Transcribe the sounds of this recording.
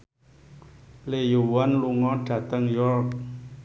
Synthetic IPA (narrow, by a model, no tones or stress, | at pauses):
lejuwanluŋɔɖ̥a̤t̪əŋjɔrk̚